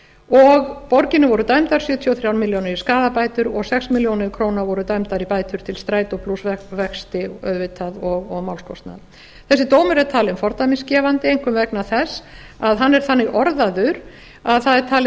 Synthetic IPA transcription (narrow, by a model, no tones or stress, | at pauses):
ɔɣpɔɾcɪnɪvɔɾʏt̪aɥmt̪aɾ̥sjœːt̪ʰjiɔθɾjawnmiljownɪɾiskaːðapaːjt̪ʏɾɔɣsɛksmiljownɪɾkʰɾoːwnavɔɾʏt̪aɥmt̪aɾipaːjt̪ʏɾ̥t̪ʰɪlst̪ɾaːjt̪ɔpʰlusvɛkst̪ɪœ̰ðvɪt̪ʰaðɔɣɔɣmawlskɔst̪na̰ð | θɛsːɪt̪oːwmʏɾɛt̪ʰaːlɪnfɔɾt̪ajmɪnscɛːvant̪ɪejŋ̥kʏmvɛknaθɛs | aðɦanːɛɾ̥θanːɪɾʔɔɾðaðʏɾ | aðθaðɛɾt̪ʰaːlɪ